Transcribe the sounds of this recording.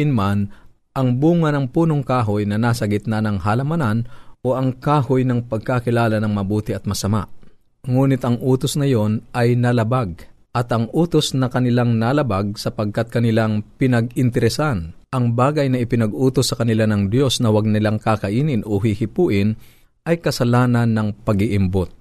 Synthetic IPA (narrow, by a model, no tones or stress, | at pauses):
ɪnman | ʔɐŋbuːŋɐnɐŋpuːnoŋkaːɦojnɐnasɐɡɪt̪̚nanɐŋhalɐmɐnanʔo̞ʔɐŋkaːhojnɐŋpɐɡ̚kakɪlaːlɐnɐŋmɐbuːt̪ɪʔɐt̪̚mɐsɐma̰ʔ | ŋuːnɪt̪ɐŋʔuːt̪osnɐjo̞nʔɐjnɐlɐbaɡ̚ | ʔɐt̪ʔɐŋʔuːt̪osnɐkɐnɪlaŋnalɐbaɡ̚sɐpɐɡ̚kat̪̚kɐnɪlaŋpɪnɐɡɪnt̪ɛɾɛsan | ʔɐŋbaːɡɐjnɐʔɪpɪnɐɡʔuːt̪osːɐkɐnɪlanɐŋd̪jo̞snɐwɐɡ̚nɪlaŋkakɐʔiːnɪnʔoɦihɪpuːʔɪn | ʔɐjkɐsɐlaːnɐnːɐŋpɐɡɪʔɪmbot̪̚